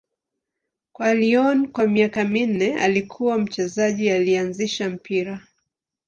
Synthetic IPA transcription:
kwaliɔnkwamiakamin̩nɛa̰likʰuwam̩t͡ʃɛzaʄialianziʃam̩pʰiɾa

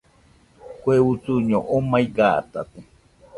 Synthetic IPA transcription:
kʷeut͡suɲõʔomaiɡat̪a̰t̪e

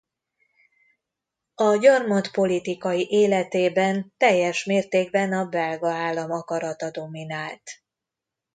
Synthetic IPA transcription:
ɒɟɒrmot̪po̞lit̪ikɒjiʔeːlɛt̪eːbɛnt̪ɛjːɛʃmeːrt̪eːɡ̚bɛnɒbɛlɡɒaːlːɒmɒkɒɾɒt̪ɒd̪o̞minaːlt̪

